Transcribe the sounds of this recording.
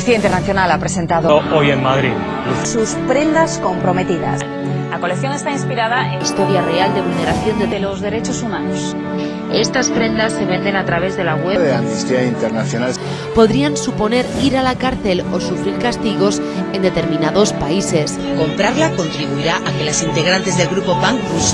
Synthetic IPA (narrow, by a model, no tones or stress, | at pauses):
θiaint̪eɾnaθjo̞nalapɾese̞nt̪aðoʔojeŋmaðɾið | suspɾe̞nd̪asko̞mpɾo̞me̞t̪iða̰s | lako̞lekθjo̞ŋe̞st̪ainspiɾaðaeist̪o̞ɾjareald̪e̞βulne̞ɾaθjo̞nd̪eelozðe̞ɾe̞t͡ʃosumãnos | e̞st̪aspɾe̞nd̪asːe̞βe̞nd̪e̞nat̪ɾaβ̞e̞zðe̞laɣweðeamnist̪iaint̪eɾnaθjonal | po̞ðɾiansupo̞ne̞ɾiɾalakaɾθe̞lo̞sufɾiɾkast̪iɣ̞o̞s | e̞nd̪e̞t̪e̞ɾmĩnaðo̞spaise̞s | ko̞mpɾaɾlako̞nt̪ɾiβ̞uiɾaʔake̞lasint̪e̞ɣɾant̪e̞zðelɣɾupo̞paŋkus